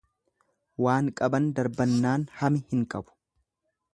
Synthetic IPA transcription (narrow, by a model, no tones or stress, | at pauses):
waːŋkʼɐbɐnd̪ɐɾbɐnːaːnhɐmɪhɪŋkʼɐbʊ̥